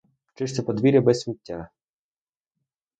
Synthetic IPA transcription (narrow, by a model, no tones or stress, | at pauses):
t͡ʃɪʃt͡s̪ʲɐpɔd̪ʋʲiɾʲɐbɛsʲsʲmʲitʲːa